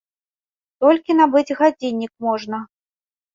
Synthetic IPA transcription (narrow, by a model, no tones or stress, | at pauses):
t̪ɔlʲkʲinabɨd͡zʲɣad͡zʲinʲːikmɔʐnɐ